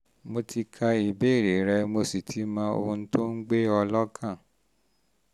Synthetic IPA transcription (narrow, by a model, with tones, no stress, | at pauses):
mo˧ti˧kʰa˧i˨be˦˨ɾe˨˦ɾɛ˧mo˧si˨tʰi˨˦mãː˦o̰˧hũ˧n̩˦to˦n̩˦ɡ͡be˦ɔ˧lɔ˦kʰã˦˨